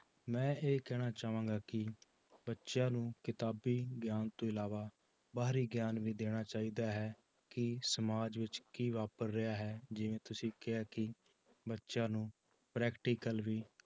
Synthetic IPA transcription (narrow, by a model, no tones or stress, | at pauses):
mɛ̃ːeːkɛːɽ̃aːt͡ʃaːʋãːɡaːkɪ | bətːʃjãːnũːkɪt̪aːbiːɡjaːnt̪õːɪlaːʋaː | baːɾiːɡjaːnʋiːd̪eːɽ̃aːt͡ʃaːiːd̪aːɦɛː | kɪsəmaːd͡ʒʋɪt͡ʃkiːʋaːpəɾɾɪaːɦɛːd͡ʒɪʋẽːt̪ʊsĩːkɪaːkɪ | bətːʃãːnũː | pɾɛːkʈiːkəlʋiː